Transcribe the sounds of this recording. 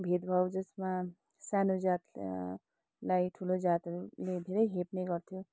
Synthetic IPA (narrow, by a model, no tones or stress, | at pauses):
bʱed̪bʱawd͡zʌsma | sanod͡zat̪ | lajʈʰulod͡zat̪ʌɾuled̪ʱeɾʌjɦepnʌjɡʌɾt̪ʰjo